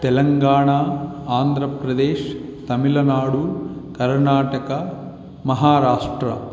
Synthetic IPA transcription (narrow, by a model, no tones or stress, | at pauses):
t̪elɐŋɡaːɳaːaːnd̪ʱɾɐpɾɐd̪eːʃt̪ɐmilɐnaːɽukɐɾɳaːʈɐkɐ | mɐɦaːɾaːʂʈɾɐ̰